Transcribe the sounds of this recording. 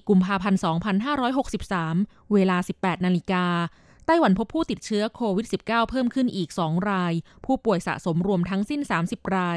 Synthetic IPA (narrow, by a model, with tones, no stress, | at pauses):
ku˧mpʰaː˧pʰa˧nsɔː˩˦ŋpʰa˧nɦaː˥˩ɾɔː˦˥jɦo˨˩k̚si˨˩p̚saː˩˦m | weː˧laː˧si˨˩pːɛː˨˩t̪̚naː˧li˦˧˥kaː˧ | t̪aː˥˩jwa˩˦npʰo˦˥pʰːuː˥˩t̪i˨˩t̪̚t͡ɕʰɯ˦˥ɐkʰoː˧wi˦˥t̪̚si˨˩p̚kaː˥˩wpʰɤː˥˩mkʰɯ˥˩nʔiː˨˩k̚sɔː˩˦ŋɾaː˧jpʰuː˥˩pu˨˩əjsa̰˨˩ʔso˩˦mɾu˧əmt̪ʰa˦˥ŋsi˥˩nsaː˩˦msi˨˩p̚ɾaː˧j